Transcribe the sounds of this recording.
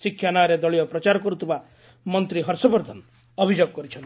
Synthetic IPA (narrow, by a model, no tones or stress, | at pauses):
sikʰːjanaɾed̪ɔɭijɔpɾɔt͡ʃaɾɔkɔɾut̪ʰiba | mɔnt̪ɾiɦɔɾsɔbɔɾd̪ʱɔnɔ | ɔbʱid͡ʒoɡɔkɔɾit͡ʃʰɔnt̪